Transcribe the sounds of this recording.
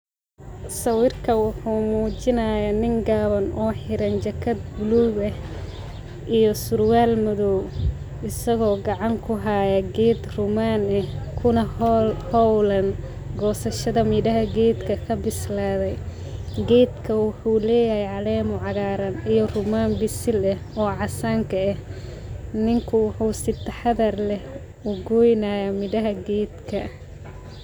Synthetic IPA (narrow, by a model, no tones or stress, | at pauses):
sɐwɪrkʰɐwʊħuːmuːt͡ʃɪnaːjaːnɪŋɡaːβɐnʔɔːħɪɾɐnt͡ʃɐkʰɐd̪̚bʊluβɛ | ʔijɔsʊrwaːlmʊðɔw | ɪsɐɣɔːɡɑʕɑŋkʰʊɦaːjɐɡɛːd̪rʊmaːnɛhkʰʊnɐhhɔwlɐn | ɡɔːsɐʃɐðɐmɪdɐɦɐɡɛːd̪kʰɐkʰɐbɪslaːðɛj | ɡɛːd̪kʰɐwʊħuːlɛːjɐhɛjʕɑlɛːmʊʕɑɣaːɾɐnijɔrʊmaːnbɪsɪlɛɔːʕɑsaːŋkʰɐɛh | nɪŋkʰʊwʊħuːsɪt̪ʰɐħɑðɐrlɛh | ʊɡɔjnaːjamɪdɐɦɐɡɛːd̪kʰɐ